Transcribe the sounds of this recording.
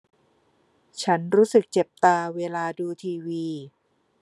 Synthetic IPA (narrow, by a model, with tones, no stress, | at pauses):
t͡ɕʰa˦˥nɾuː˦˥sɯ˨˩k̚t͡ɕe˨˩p̚t̪aː˧weː˧laː˧duː˧t̪ʰiː˧wiː˧